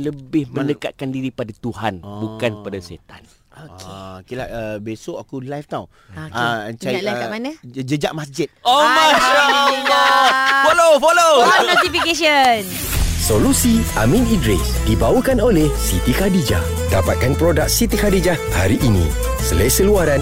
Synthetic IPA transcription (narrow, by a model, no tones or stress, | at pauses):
ləbɪhmə̃nəkat̪̚kandiɾipadat̪uɦanbukanpadasḛt̪a̰n | oekilaʔəbesoʔakulajft̪aw | aət͡ʃaiakamanəd͡ʒəd͡ʒaʔmasd͡ʒɪt̪̚omaʃalɔfolofolonot̪ifikeʃən | solusiamĩnidɾɛsdibawəkanolɛhsit̪ixadid͡ʒa̰ | dapat̪̚kanpɾodak̚sit̪ixadid͡ʒa | ha̰ɾiʔːnḭ̃ | səlasəluaɾan